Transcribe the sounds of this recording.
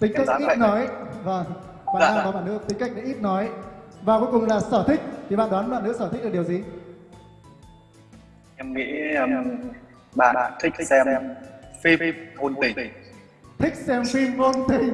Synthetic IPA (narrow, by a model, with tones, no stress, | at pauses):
t̪ï˨˦ŋ̟ka˥kːʔi˦˨˥nɔ˨˦jvə˧˩ŋ | ɓa̰ː˧˨˧a˧a˧vaː˨˩ɓaː˧˨nɨ̰˧˥ət̪ï˨˦ŋ̟ka˦˥jk̚ɗa̰ː˧˥ʔi˦˥p̚nɔ˨˦jvaː˨˩ko˨˦kʊ˨˩ŋ͡mlaː˨˩sɔ˧˩t̪ʰï˦˥k̟̚t̪ʰi˨˩ɓa̰ː˧˨ɗwa˨˦nɓaː˧˨nɨ˧˥sɔː˧˩i̟˦˥ɗ̚ɗəwzi˨˩ | ɛ˧mŋḭ˧˥˧m | ɓa̰ː˧˨a̰ː˧˨nt̪ʰk̚ɛ˧mɛ˧mfi˧o˧ni˧˩˧ | t̪ʰï˦˥k̟̚sɛ˧mfi˧ŋo˧nt̪i˧˩ŋ